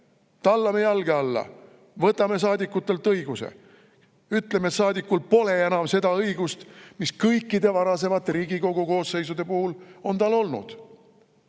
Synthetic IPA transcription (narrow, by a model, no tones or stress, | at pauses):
t̪ɑlːɑme̞jɑlɡeɑlːɑ̰ | vɤt̪ːˑɑme̞s̬ɑːd̪ikːˑut̪ːˑe̞lt̪ːˑɤjɡ̥usḛ | yt̪lemet̪sɑːd̪ikːulpo̞le̞e̞nɑmse̞d̪̥ɑɤjɡust̪miskɤjkːˑid̪e̞vɑɾɑse̞vɑt̪ːeɾiːɡ̥ikoɡuko̞ːsːe̞jsud̪̥e̞puhulo̞nt̪ɑlo̞lnṵd̪̥